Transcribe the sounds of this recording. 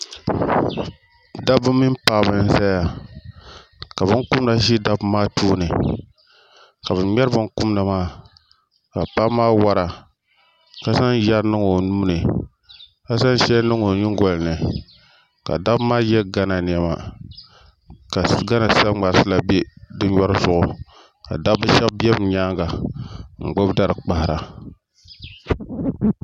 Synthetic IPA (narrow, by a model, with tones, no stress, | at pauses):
da˦bɨ˦mːi˦mpaː˦bɨ˦n̩˦za˦a˨ | ka˨βɨ˦nku˦mna˨ʃi˦da˦bmaː˦tʰuː˦nɨ˨ | ka˨βɨ˨mɛ˦ɾɨ˦bɨ˦nku˦mnɨ˨maː˦ | ka˨pa˦maː˦wa˦ɾa˨ | ka˦sa˦nja˦ɾnɨ˦ŋo˨nuː˦nɨ˨ | ka˦sa˦n˦ʃɛ˦nɨ˦ŋo˨ɲi˦ŋ˦ɡɔ˨lnɨ˨ | ka̰˨da˦maː˦jɛ˦ɡa˦na˨n˨ɛ˨ma̰˨ | ka˨ɡa˦na˨sa˦ŋ͡ma˨˦sɨ˦la˨be˦dɨ˦ɔ˦ɾɨ˦zʊ˨ʔʊ˨ | ka̰˨da˦bɨ˦ʃɛ˦bbɛ˦bɲaː˦ŋɡa˨ŋ͡m̩˨ɡ͡bo˦bda˦ɾɨ˨k͡pa˨hɾa˨